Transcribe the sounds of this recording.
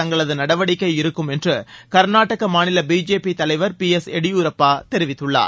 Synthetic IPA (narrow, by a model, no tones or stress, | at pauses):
ɐŋɡɐɭɐðɯnɐɽɐʋɐɽɪkːɐɪɪɾɯkːɯmɛndrɯkɐɾnaːʈːɐɣɐmaːnɪlɐbiːd͡ʒeːpit̪ɐlɐɪʋɐɾpiɛsɛɽɪjuɾɐpːaːt̪ɛɾɪʋɪt̪ːɯɭːa̰ː